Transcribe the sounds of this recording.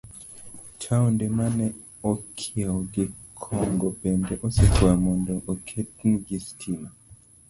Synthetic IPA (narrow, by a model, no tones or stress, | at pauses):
tʰaɔndɛmanɛ | ɔkʰiaɔɡikʰɔŋɡɔpɛndɛʔɔsɛkʰuamɔndɔʔɔkʰɛtnɡistʰima